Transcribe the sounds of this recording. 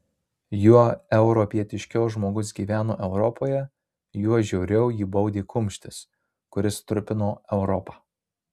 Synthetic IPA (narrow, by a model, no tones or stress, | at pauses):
juɔɛʊɾɔpʲiɛt̪ʲɪʃʲkʲɛʊʒmoːɡʊs̬ɡʲiːʋʲæːnoːʔɛʊɾɔpʰoːjɛ | juɔʒʲɛʊɾʲɛʊjiːbɐʊd̪ʲeːkʰʊmʲʃʲt̪ʲɪs | kʊɾʲɪst̪ɾʊpʲɪnoːɛʊɾɔpɑː